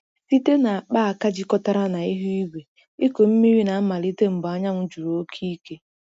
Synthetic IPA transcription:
si˦te˦na˨a˨k͡pa˦a˨ka˦d͡ʒi˦kɔ˦ta˦ɾa˦na˨i˦ɦi˦i˦ɡʷe˨ | i˦ko˨m̩˦mi˦ɾi˦na˨˦ma˨li˦te˦m̩˨bɔ˦ɲa˦ŋ̩ʷ˦d͡ʒu˨ɾo˨o˦kʰi˦ke˦

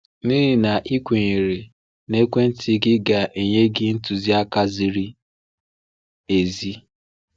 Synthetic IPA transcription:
niː˦ɪ˨na˨ʔi˦kʷe˨ŋi˨ɾe˨ | ne˦kʷe˦n̩˦tʰɪ˦ɡɪ˦ɡa˨ʔe˨ɲe˦ɡɪ˦n̩˦tu˨zi˦a˦ka˦zi˦ɾi˦ | e˨zi˦

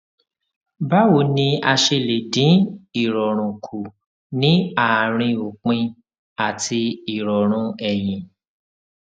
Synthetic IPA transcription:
ba˦wo˨˧˦nĩ˧a˧ʃe˧le˨dĩ˨˦i˦˨ɾɔ˨ɾ̃ũ˨kʰu˨ | nĩ˨˦a˦˨ɾ̃ĩ˧o˨k͡pĩ˧ | a˨ti˧i˨ɾɔ˨ɾ̃ũ˧ɛ˨j̃ĩ˨

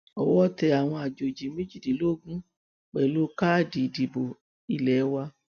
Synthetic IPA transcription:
ɔ˨wɔ˦tɛ˧a˨w̃ɔ̃˧a˨d͡ʒo˨d͡ʒi˨˦me˦d͡ʒi˦˨di˨lo˦˨ɡũ˦ | k͡pɛ˨lo˦ka˦˨di˨di˨bo˨ | i˦˨lɛ˨˦wa˧

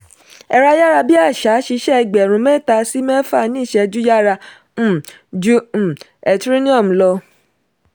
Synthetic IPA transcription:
ɛ˧ɾa˦ja˦ɾa˧bi˦a˦˨ʃa˨˦ʃi˧˦ʃɛ˦˧ɡ͡bɛ˨ɾ̃ũ˧˦mɛ̃˦˨ta˧si˦mɛ˦fa˦˨˧nĩ˦˨ʃɛ˧d͡ʒu˦ja˦ɾa˧˦˨ | d͡ʒu˦˨ | ɛ˨tɾi˦nĩ˦ɔ˦˨m̩˨lɔ˧

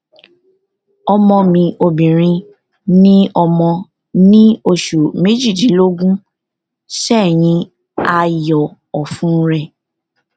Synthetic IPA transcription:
ɔ˧mɔ̃˧mĩ˧ʔo˧bĩ˨ɾ̃ĩ˧ | nĩ˦ɔ˧mɔ̃˧ | nĩ˦o˧˨ʃu˨me˦d͡ʒi˦˨d͡ʒi˨˦lo˦ɡũ˦ | ʃɛ˦˨j̃ĩ˧ | a˧jɔ˨ | ɔ˨fũ˦ɾɛ˦˨

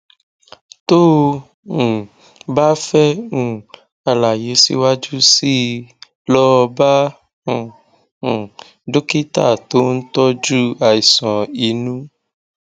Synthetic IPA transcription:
to˦ | ũ˨ | ba˦fɛ˦ũ˦˨ | a˧la˨je˨˦sḭ˦wa˦d͡ʒu˦si˦ | lɔ˦ɔ˧bã˦˨ | do˦ki˦ta̰˦˨to˦n̩˦tɔ˦d͡ʒu˦a˨i˨sɔ̃˨i˨˦nũ˦

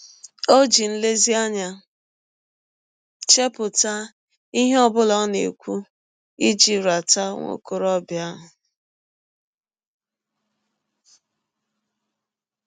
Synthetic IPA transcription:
o˦d͡ʒi˨n̩˦le˦zi˦a˦ɲa˨ | t͡ʃe˦pʊ˨ta˦ | i˦ɦe˦ɔ˦bʊ˦lɔ˦nḛ˨kʷu˦ | i˦d͡ʒi˨ɾa˨ta˦ŋʷo̰˦ko˨ɾɔ˦bja˦ɦʊ˨

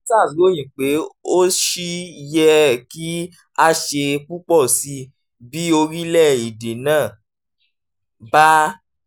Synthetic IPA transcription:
sa˦˨so˨˦j̃ĩ˨k͡pe˨˦o˦ʃi˦jɛ˧˦ki˦ | a˦ʃe˧k͡pu˦k͡pɔ˦˨si˧˦ | bi˦o˧ɾi˦lɛ˦˨i˨de˨nãː˦˨ | ba˦

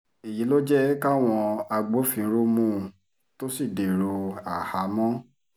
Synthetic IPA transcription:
e˨ji˨˦lo˦d͡ʒɛ˦ka˦˨w̃ɔ̃˧a˧ɡ͡bo˨˦fĩ˧˦ɾo˦mũ˦˧ | to˦si˦˨de˨ɾo˧a˨ha˨˦mɔ̃˦

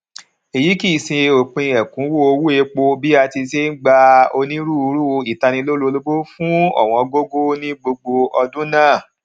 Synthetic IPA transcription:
e˨ji˨˦ki˦˨sĩ˧o˨k͡pĩ˧ɛ˨kũ˨˦wo˦o˧wu˦e˧k͡po˧bi˦a˧ti˧se˦n̩˦ɡ͡ba˧o˧nĩ˦ɾu˦˧˦ɾu˦˧i˨ta˧nĩ˧lo˦lo˦˧lo˦bo˦fũ˦ɔ̰˦˨w̃ɔ̃˧ɡo˦ɡo˦nĩ˦ɡ͡bo˧ɡ͡bo˧ɔ˧dũ˦nãː˦˨

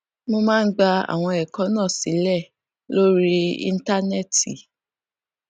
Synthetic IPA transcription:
mo˧mã˦n̩˦ɡ͡ba˧a̰˨w̃ɔ̃˧ɛ˨kɔ̃˨˦nãː˦˨si˨˦lɛ˦˨ | lo˦ɾi˦ḭ̃˧n̩˦ta˦nɛ˦˨tḭ˨

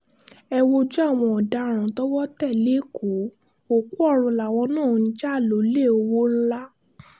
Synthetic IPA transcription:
ɛ˧wo˧d͡ʒɔ˦a˦˨w̃ɔ̃˧ɔ˨da˨˧ɾ̃ã˨tɔ˦wɔ˦tɛ˦˨le˨˦kʰo˨˦ | o˦˨ku˦ɔ˦˨ɾ̃ũ˧la˨w̃ɔ̃˧nãː˦˨˧n̩˦d͡ʒa˦˨lo˨˦le˦˨o˧wo˦la˦

